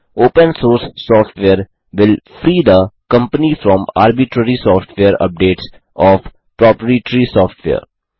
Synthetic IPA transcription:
oːpə̃nsoːɾsːɔːfʈʋeəɾ | ʋɪlfɾiːd̪əkʌ̃mpənifɾɔ̃ma̰ːɾbiʈɾəɾisɔːfʈʋeəɾə̰p̚ɖeːʈs | ɔːf | pɾɔːpɾəiʈɾisɔːfʈʰʋḛə̰ɾ

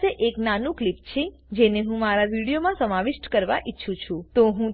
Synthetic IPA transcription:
eʔeknanũklipt͡ʃʰe | d͡ʒeneɦũmaɾaʋiɽijomãsəmaʋiʃʈkəɾʋa̰ʔitːʃʰũt͡ʃʰũt̪oɦũ

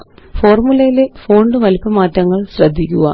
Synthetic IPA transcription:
fo̞ːrmulɐjilefo̞ːɳɖɨʋɐlipːɐmaːtːɐŋːɐɭɕrɐd̪ʱːikʲːuɣɐ̰

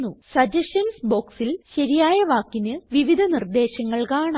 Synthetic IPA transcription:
usɐd͡ʑɐɕɐnsbo̞ːksilɕɐɾijaːjɐʋaːkːinɨʋiʋid̪ʱɐnird̪e̞ːɕɐŋːɐɭkaːɳ

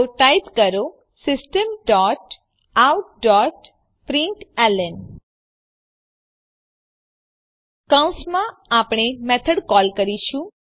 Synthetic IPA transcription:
ʈajp̪kəɾo | sɪsʈəmɖɔʈ | awʈɖɔʈ | pɾɪ̃ɳʈɛlən | kaw̃smãapɳ̃emɛt̪ʰəɽkɔlkəɾiʃũ

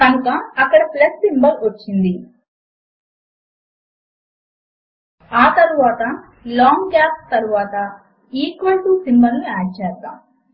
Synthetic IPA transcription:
kɐnukɐːkːɐɽɐplesʈimbɐɾʋot͡ʃːind̪i | aːt̪ɐɾuʋaːt̪ɐ | laːŋɡaːst̪ɐɾuʋaːt̪ɐ | iːkʋɐɳʈuːsimbɐnuaːt͡ʃaːɾka̰

